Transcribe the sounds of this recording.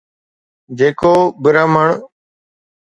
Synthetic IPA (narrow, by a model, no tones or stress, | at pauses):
d͡ʒeːkoːbəɾaːməɳ